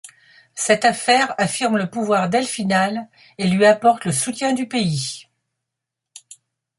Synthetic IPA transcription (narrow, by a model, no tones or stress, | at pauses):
sɛt̪afɛʁafiʁmləpuvwaʁd̪ɛlfinal | elɥiapɔʁt̪ləsut̪jɛ̃d̪ypei